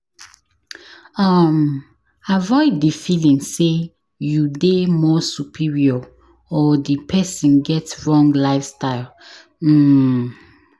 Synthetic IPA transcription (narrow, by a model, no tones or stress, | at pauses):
ʌm | avɔɪdːifilĩŋse | judemɔsupʰiɹiɔ | ɔdipʰɛsĩnɡɛtɹɔ̃ŋɡlaɪfstaɪl | m̩